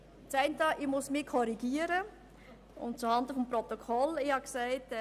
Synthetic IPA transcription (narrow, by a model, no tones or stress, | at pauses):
t͡sɛɪntɑʔɪmʊsmɪkʰɔɾiɡiəɾə | ʊ̰ntt͡suhɑnd̪əfɔmpɾɔt̪okʰɔlɪhɑksæɪt